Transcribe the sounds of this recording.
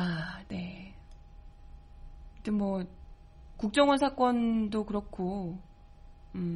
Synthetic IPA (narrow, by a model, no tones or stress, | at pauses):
ane̞ | t͡ɕɯnmwʌ | kuk̚t͡ɕ͈ʌŋʌnsʰak͈ʌndokɯɾʌkʰo | ɯ